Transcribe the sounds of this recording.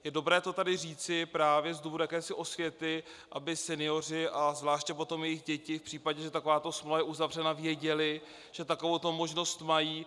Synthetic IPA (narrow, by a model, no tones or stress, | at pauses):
jɛdo̞bɾɛːt̪o̞t̪adɪriːt͡sɪpɾaːvjɛzd̪uvuɾjakɛːsɪʔo̞svjɛt̪ɪ | ʔabɪsɛnɪjo̞r̝ɪʔazvlaːʃcɛpo̞t̪o̞mjɛjɪxɟɛcɪfpr̝̥iːpaɟɛʒɛt̪akovaːt̪o̞smolvajɛʔuzavr̝ɛnavjɛɟɛlɪ | ʒ̥ɛt̪akovowt̪o̞mo̞ʒno̞st̪majiː